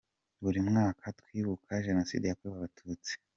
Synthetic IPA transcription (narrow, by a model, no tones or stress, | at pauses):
βuɾimŋaːkʰatkwiːβukʰaʒe̞no̞sḭdijakuiβaβatʰuːt͡si̥